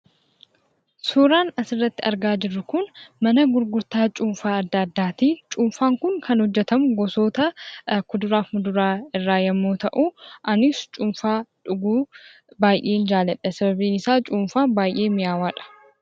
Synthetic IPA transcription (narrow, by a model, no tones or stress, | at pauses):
suːɾaːnɐsɪrːɐt̪ːɪʔɐɾɡaːd͡ʒɪrːʊkʊnmɐnɐɡʊɾɡʊɾt̪aːt͡ʃʼʊmfaːɐd̪ːaːd̪ːaːt̪iːt͡ʃʼʊːmfaːŋkʊŋkɐnhɔd͡ʒːɛt̪ɐmʊɡɔso̞ːt̪ɐkʊd̪ʊɾaːfmʊd̪ʊɾaːɪrːaːjɐmːoːt̪ɐʔʊʔɐnɪst͡ʃʼʊmfaːᶑʊɡuː | baːjʔeːnd͡ʒaːlɛᶑɐsɐbɐbiːnɪsaːt͡ʃʼuːmfaːbaːjʔe̞ːmɪjaːwaːᶑɐ̥